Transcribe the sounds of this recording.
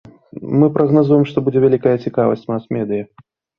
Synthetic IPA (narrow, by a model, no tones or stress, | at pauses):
mɨpɾɐɣnazujɛmʂt̪ɔbud͡zʲɛvʲælʲikɐjɐt͡sʲikavɐ̰sʲt͡sʲmasmʲɛd̪ɨjɐ